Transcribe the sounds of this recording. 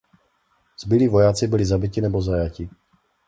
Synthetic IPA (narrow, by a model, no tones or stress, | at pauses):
z̥bɪliːvo̞jaːt͡sɪbɪlɪzabɪcɪnɛbo̞zajacɪ